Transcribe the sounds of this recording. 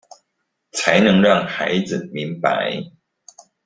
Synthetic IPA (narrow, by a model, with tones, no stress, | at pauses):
t͡sʰa˨˦ɪnɤ˧˥ŋɻɑ˥˩ŋxa˧˦ɪd͡zɹ̩˨˩mi˨˦ŋpa̰˧˦ɪ